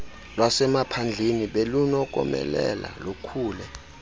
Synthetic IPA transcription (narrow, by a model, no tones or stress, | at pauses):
lwasɛmapʰand͡ɮʱeniɓelunɔk̬ʼɔ̰mɛ̰lɛ̰la̰lokʰuːlɛ